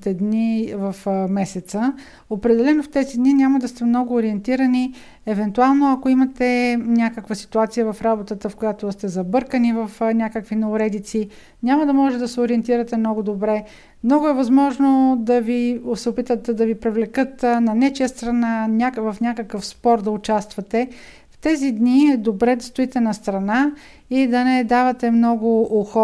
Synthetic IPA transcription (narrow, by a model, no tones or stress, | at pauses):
t̪ɛd̪nivɐfmɛsɛt̪sə | opɾɛd̪ɛlɛnoft̪ɛzid̪ninʲamɐd̪ɐst̪ɛmnɔɡʊːɾiɛnt̪iɾɐni | ɛvɛnt̪ualˠnoɐkoimɐt̪ɛnʲakəkvəsi̥t̪uat̪sijəvɐfɾabot̪ət̪əfkojat̪ost̪ɛzɐbɤɾkənivɐfnʲakəkvinɐʊɾɛd̪it̪si | nʲamɐd̪ɐmɔʒɛɛd̪ɐsɛoɾiɛnt̪iɾɐt̪ɛmnɔɡʊd̪obɾɛ | mnɔɡʊɛvɐzmɔʒnod̪ɐvisɛʊpit̪ət̪ɛd̪ɐvipɾɛvlɛkɤt̪nɐnɛt͡ʃijəst̪ɾɐnanʲakvɐfnʲakəkəfspɔɾd̪ɐʊt͡ʃast̪vɐt̪ɛ | ft̪ɛzid̪niɛd̪obɾɛd̪ɐst̪ʊit̪ɛnɐst̪ɾɐna | id̪ɐnɛd̪avɐt̪ɛmnɔɡʊʔoxɔ